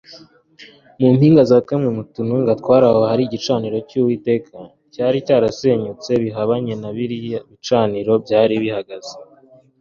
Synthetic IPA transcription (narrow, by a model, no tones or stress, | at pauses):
mum̥hiːŋɡazakamŋemutunuŋɡatkwaːɾahohaɾiɟit͡ʃaːniɾo̞cuwiːte̞ːkʰa | caːɾicaːɾase̞ɲut͡se̞βiɦaβaɲe̞naβiɾijaβit͡ʃaːniɾo̞bɟaːɾiβihaɡaz̥e